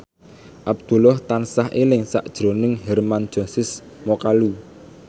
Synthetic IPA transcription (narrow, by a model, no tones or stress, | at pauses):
ʔab̚d̪̥ṳlɔht̪ansaɦelɪŋsa̰ʔd̥ʒ̥ɾonɪŋɦɛrmand̥ʒ̥ɔ̤sɪs | mɔkalu